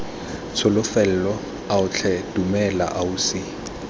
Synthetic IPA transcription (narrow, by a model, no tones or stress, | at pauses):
t͡sʰʊlʊfɛl̩lɔ | aʊt͡ɬʰɛd̥umɛla̰ʔaʊsɪ